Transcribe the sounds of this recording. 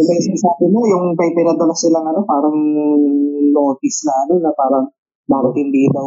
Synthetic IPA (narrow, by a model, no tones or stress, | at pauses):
ɪlɐjsɪnsaːbɪmojʊŋpɐɡpɪnɐd̪ɐlɐsɪlɐŋɐnopaːɾɐŋ | noːt̪ɪslɐɐnonːɐpaːɾɐŋ | mabʊt̪ɪnd̪iːd̪ɐw